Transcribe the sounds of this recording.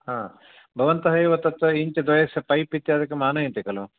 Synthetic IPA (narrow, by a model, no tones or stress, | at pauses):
hãː | bʱɐʋɐnt̪ɐɦɐjʋɐt̪ːɐt̪ːɐiɲt͡ʃɐd̪ʋɐjɐsjɐpɐjpit̪ːjaːd̪ɐkːemaːnɐent̪ekɐloː